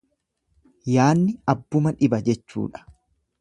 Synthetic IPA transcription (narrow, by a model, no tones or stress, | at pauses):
jaːnːɪɐbːʊmɐᶑɪbɐd͡ʒɛt͡ʃːṵːᶑɐ̥